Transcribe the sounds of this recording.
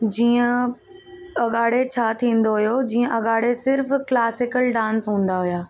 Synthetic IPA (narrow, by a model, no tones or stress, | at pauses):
d͡ʑiːə̃ | ɐɠaːɽet͡ɕʰaːt̪ʰĩːn̆d̪oɦijod͡ʑiːə̃ʔɐɠaːɽesɪɾfklaːsɪkəlɖãːnsɦũːn̆d̪aɦʊjaː